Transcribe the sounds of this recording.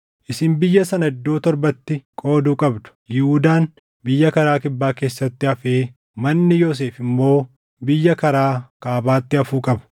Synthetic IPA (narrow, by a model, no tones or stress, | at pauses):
ʔɪsɪmbɪjːɐsɐnɐɪd̪ːoːt̪ɔɾbɐt̪ːɪkʼo̞ːd̪uːkʼɐbd̪ʊ̥jɪhuːd̪aːn | bɪjːɐkɐɾaːkɪbːaːke̞ːsːɐt̪ːɪɐfeː | mɐnːɪjo̞ːs̬e̞ːfɪmːo̞ː | bɪjːɐkɐɾaːkaːbaːt̪ːɪɐfuːkʼɐbɐ̥